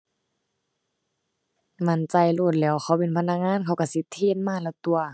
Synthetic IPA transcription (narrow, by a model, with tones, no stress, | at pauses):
ma˧˨nt͡ɕa˧˨jloː˧˩t̪̚lɛː˧˩wxʰa˧˩wpi˧˨˦npʰa˧˥˨na˧˥k̚ŋaː˧˥˨nkʰa˧˨wka˧˩si˧˦t̪ʰːeː˧˥˨nmaː˧˩˨lɛː˧˩˨wt̪u˧ɐ